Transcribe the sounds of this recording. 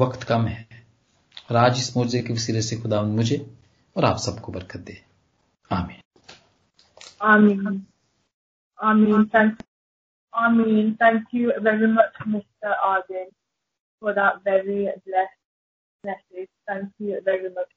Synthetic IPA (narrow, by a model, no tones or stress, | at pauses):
ʋɐkt̪kɐmɦɛ | ɔːɾaːd͡ʒɪsmoːd͡ʒzekiʋɐsiːɾət̪sexʊd̪aːʋə̃nd̪mʊd͡ʒʱe | ɔːɾa̰ːpsɐbkobɐɾkət̪̚d̪eː | aːmĩːn | aɪmĩːn | aɪmĩːnt̪ʰæ̃ŋk | aɪmĩːnt̪ʰæ̃ŋkjuʋɛɹimʌt͡ʃmɪsʈəɾʔaːdɪ̃n | fɔd̪æt̚ʋɛɹiblɛsʈ | mɛsɪd͡ʒt̪ʰæ̃ŋkjuʋɛɹimʌt͡ʃ